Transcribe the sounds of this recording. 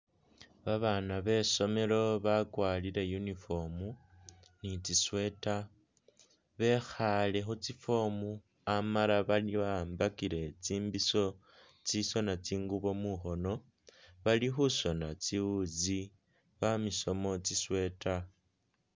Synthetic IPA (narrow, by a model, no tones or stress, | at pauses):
βaβanaβe̞so̞me̞lo̞βakwaːliɾe̞junifo̞mu | nit͡siswe̞ta | βe̞xale̞xut͡sifo̞mu | amalaβaliβaːmbakiɾe̞t͡siːmbiso̞ | t͡siso̞nat͡siːŋɡuβo̞muxo̞no̞ | βalixuso̞nat͡siwuzi | βamiso̞mo̞t͡siswe̞ta